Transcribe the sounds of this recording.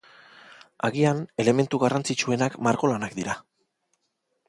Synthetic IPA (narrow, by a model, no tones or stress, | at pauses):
aɣiane̞le̞me̞nt̪uɣarant͡sit͡ʃue̞nakmaɾko̞lanakd̪iɾa